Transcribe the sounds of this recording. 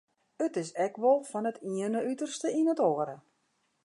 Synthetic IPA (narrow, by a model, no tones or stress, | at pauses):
ətɪsɛkʋɔlˠfɔnətiənəytərstəinətoəɾə